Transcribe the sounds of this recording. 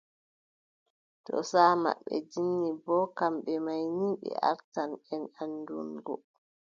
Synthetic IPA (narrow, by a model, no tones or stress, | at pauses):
tɔ̰saːma̰ɓːɛ̰d͡ʒinːibɔːkamɓɛmajniɓɛ̰a̰ɾtanɛnandunɡɔ